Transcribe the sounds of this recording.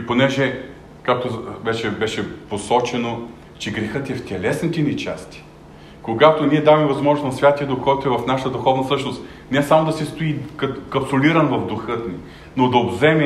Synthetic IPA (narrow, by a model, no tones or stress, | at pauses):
iponɛʒɛ | kak̚t̪ovɛt͡ʃɛbɛʃɛposɔt͡ʃɛno | t͡ʃɛɡɾɛxɤt̪ɛft̪ʲɛlɛsnʲit̪ɛnit͡ʃa̰st̪i̥ | koɡat̪oniɛd̪avɛmɛvɐzmɔʒnosnɐsvʲat̪iəd̪oʊkɔjt̪ʊɛvɐfnaʃət̪əd̪ʊxɔvnɐsɤʃnost̪ | nɛsamod̪ɐsɛst̪oikɐkɐpsoliɾɐnvɐvd̪ʊxɤt̪ni | nod̪ɐobzɛmɛ